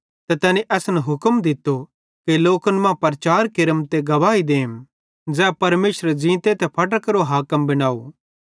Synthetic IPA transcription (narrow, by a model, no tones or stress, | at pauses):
t̪ɛt̪ɛːniʔɛːsnɛɦʊkəmd̪ɪt̪ːo | kiloːkənmãpɐɾt͡ʃaːɾkɪɾəmt̪eɡɐʋaːid̪eːm | d͡zɛːpɐɾmeːʃɾəd͡ʒĩːt̪et̪ɛpʰɐʈ̬əkɾoɦaːkəmbɐɽ̃aːo